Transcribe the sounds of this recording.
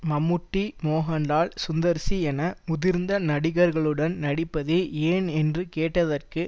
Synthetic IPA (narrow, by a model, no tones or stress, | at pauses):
mɐmːʊʈːimoːɦɐɳlaːɭsʊnd̪ɐɾsiɛnɐmʊðɪɾnd̪ɐnɐɽɪɣɐɾɣɐɭɯɽɐnnɐɽɪpːɐðɯeːnɛndrɯkeːʈːɐðɐrkɯ